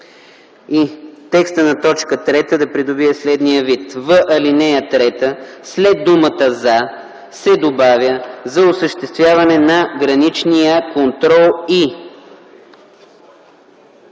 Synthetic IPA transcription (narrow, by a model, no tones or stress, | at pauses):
it̪ɛkst̪ənɐt̪ɔt͡ʃkət̪ɾɛt̪əd̪ɐpɾid̪ʊbiɛslɛd̪nijəvit̪vəʔɐlinɛjət̪ɾɛt̪əslɛd̪̚ːumət̪əza | sɛd̪obavʲjəzɐʊsəʃt̪ɛst̪vʲjavɐnɛnɐɡɾɐnit͡ʃnijəkont̪ɾɔlˠi